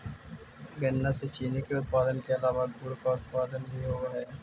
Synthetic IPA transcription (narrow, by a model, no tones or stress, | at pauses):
ɡɐnːaset͡ʃiːnikeʊt̪̚paːd̪ənkeɐlaːʋad̪ʱuːɽkaːʊt̪paːd̪ənbʱiɦoːaɦɛː